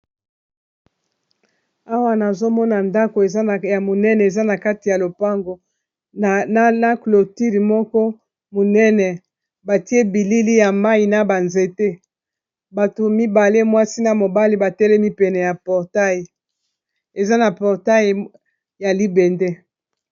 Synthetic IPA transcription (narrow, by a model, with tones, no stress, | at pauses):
a˦wa˦na˨zo˦mɔ˦na˨nda˦ko˨e˨za˦˨ja˨mo˨nɛ˦nɛ˨e˨za˦na˨ka˦ti˨ja˨lo˨pa˦ŋɡo˨ | n˦na˦klo˨ti˦li˨mɔ˦kɔ˦ | mo˨nɛ˦nɛ˨ | ba˨ti˦e˦bi˨li˦li˦ja˨ma˦i˨na˨ba˨nze˨te˦ | ba˨to˨mi˦ba˨le˦mwa˦si˦na˨mo˨ba˦li˦ba˨tɛ˦lɛ˦mi˦pɛ˨nɛ˨ja˨pɔ˨ʁta˦je˨ | e˨za˦na˨pɔ˨ʁta˦j | ja˨li˦bɛ˨nde˦